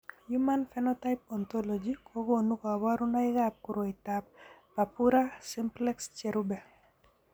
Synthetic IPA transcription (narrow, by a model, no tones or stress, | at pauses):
jumanfɛnɔtajp̚ɔnt̪ɔlɔd͡ʒikʰoɡonukɔawaɾunaiɡap̚kuɾoit̪ap̚ː | apuɾasɪmplɛkst͡ʃɛɾubɛ